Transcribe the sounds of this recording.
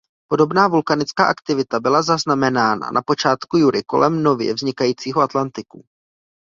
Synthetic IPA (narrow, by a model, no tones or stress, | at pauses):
po̞do̞bnaːvulkanɪt͡ska̰ːʔakt̪ɪvɪt̪abɪlazaznamɛnaːna̰nʔapo̞t͡ʃaːt̪kujuɾɪko̞lʔɛmno̞vjɛ̰vzɲɪkajiːt͡siːɦoʔat̪lant̪ɪku